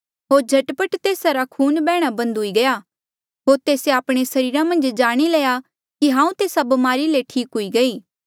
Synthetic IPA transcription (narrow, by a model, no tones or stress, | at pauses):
ɦoːɾd͡ʒʱɐʈpəʈt̪eːsaɾakʰuːnbɛːɽ̃abɐ̃nd̪ɦʊiɡɐjaː | ɦoːɾt̪eːseaːpɽ̃esɐɾiːɾãmɐ̃nd͡ʒd͡ʒaːɽ̃ileːja | kiɦãːũt̪eːsabɐmaːɾileʈʰiːkɦʊiɡɐiː